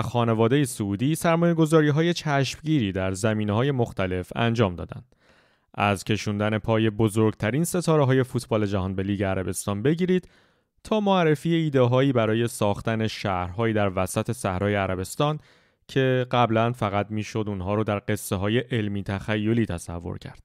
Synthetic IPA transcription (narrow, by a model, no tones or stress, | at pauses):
xɒːne̞vɒːd̪e̞jesuuːd̪iːsæɾmɒːjeɡo̞zɒːɾiːɦɒːje̞t͡ʃʰæʃmɟiːɾiːd̪æɾzæmiːneɦɒːje̞mo̞xt̪æle̞fæ̰nd͡ʒɒːmd̪ɒ̰ːd̪æ̰nd̪̥ | ʔæzcʰe̞ʃuːnd̪æne̞pʰɒːje̞bozoɾɡt̪ʰæɾiːnse̞t̪ʰɒːɾeɦɒːje̞fuːt̪ʰbɒːle̞d͡ʒæɦɒːnbe̞liːɟe̞æɾæbe̞st̪ɒːnbe̞ɟiːɾiːd̪̥ | t̪ʰɒːmoærːe̞fiːjeiːd̪eɦɒːiːbæɾɒːje̞sɒːxt̪æne̞ʃæhɾɦɒːjiːd̪æɾvæsæt̪ʰe̞sæhɾɒːje̞æɾæbe̞st̪ɒːn | cʰe̞ɢæblænfæɣæt̪̚miːʃo̞d̪uːnɦɒːɾod̪æɾɢe̞sːeɦɒːje̞ʔelmiːt̪ʰæxæjːo̞liːt̪ʰæsævːo̰ɾcʰæ̰ɾd̪̥̚